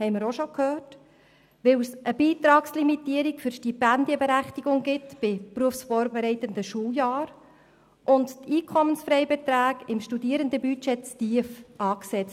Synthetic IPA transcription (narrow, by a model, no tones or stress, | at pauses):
hɛɪmɪɾoʃokʰhøːt | ʋɪwsʔəbiːt̪ɾɑːkslimit̪iːəɾikfʏɾʃtipændiəbɛɾæχtiɡ̥ʊŋɡɪtb̥ɪpɾuəfsfɔːɾbɛɾɛɪtənd̪əʃuːjɑːɾ | ʔʊntt̪iːkʰɔmənsfɾɛɪbɛt̪ɾæːɡɪmʃtud̪iəɾənd̪əbyt͡ʃɛtt͡stiəfʔɑːksɛt͡st